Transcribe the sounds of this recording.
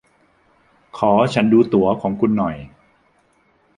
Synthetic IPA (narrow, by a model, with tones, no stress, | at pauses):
kʰɔː˩˦t͡ɕʰa˦˥nduː˧t̪u˩˦ɐkʰɔː˩˦ŋkʰu˧nːɔ˨˩j